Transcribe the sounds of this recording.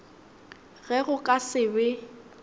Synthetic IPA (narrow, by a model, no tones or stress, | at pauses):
ɣɛɣʊkʼasɪbɪ